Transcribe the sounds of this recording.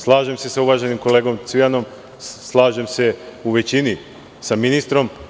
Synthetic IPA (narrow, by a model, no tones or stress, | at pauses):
slˠaːʒe̞mse̞sauʋaːʒe̞nimko̞le̞ːɡo̞mt̪sʋijano̞m | slˠaːʒe̞mse̞uʋe̞t͡ɕini | saminist̪ɾo̞m